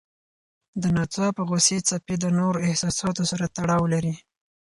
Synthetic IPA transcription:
d̪ənɑt͡sɑpəɣoset͡saped̪ənoɾoɪhsɑsɑt̪osaɾat̪aɽɑwlaɾi

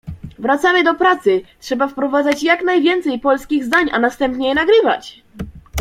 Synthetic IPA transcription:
vɾat̪samɘd̪ɔpɾat̪sɘtʂɛbafpɾɔvad̪zat͡ɕjaknajvʲjɛnt̪sɛjpɔlskʲiɣzd̪aɲanast̪ɛmpɲɛjɛnaɡɾɘva̰t͡ɕ

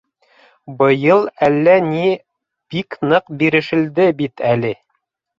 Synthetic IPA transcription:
bɤ̆jɤlˠælːæni | b̥iknɤqbiɾɘ̆ʃɘ̆ld̪ɘbit̪ʰælɘ

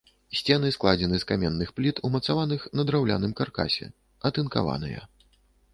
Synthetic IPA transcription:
sʲt͡sʲɛnɨsklˠad͡zʲɛnɨskamʲɛnːɨxplʲit̪ʰumɐt̪savanɨxnɐd̪ɾawlʲa̰nɨmkarka̰sʲɛ̰ | ɐt̪ɨnka̰va̰nɨ̰jɐ̰

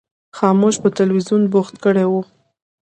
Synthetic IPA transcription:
xɑmoʃpət̪alwizjunboxt̪̚kəɽewu

